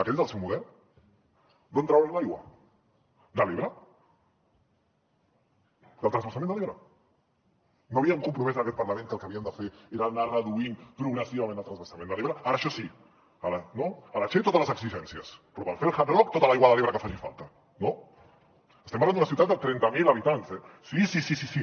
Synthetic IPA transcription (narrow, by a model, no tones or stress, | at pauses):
akɛt̪ezðəlˠsɛwmuðɛɾ | d̪õnt̪ɾawenlajɣwɐ̰ | d̪aliβɾə | d̪əlt̪ɾanzβəsamẽnd̪əliβɾɐ | noaβiauŋkumpɾumezənɐkɛt̪paɾlamẽnkəlˠkəaβiənd̪əfeeɾanarəðuinpɾuɣnəsiβamẽnd̪əlt̪ɾanzβəɾsamẽnd̪aleβɾaaɾaːʃɔsi | alnoalat͡ʃejt̪ot̪ələzəksiʒɛnsjəspɾɔpalfelxalɔk̚t̪ot̪alajɣwaðaleβɾaɐkəfaʒifa̰lˠt̪a | no | əst̪empɾranunasiuwt̪at̪d̪at̪ɾɛnt̪amilaβit̪ansɛ | sisisisisi